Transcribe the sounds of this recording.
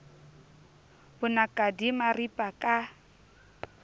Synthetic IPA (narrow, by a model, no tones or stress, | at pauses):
bʊnakʼadimaripʼakʼa